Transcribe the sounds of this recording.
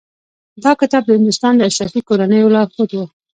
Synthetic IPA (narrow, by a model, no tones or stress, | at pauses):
d̪ɑkɪt̪ɑb̚d̪əhɪnd̪ʊst̪ɑnd̪əaʃɾɑfikoɾanəjolɑxot̪wu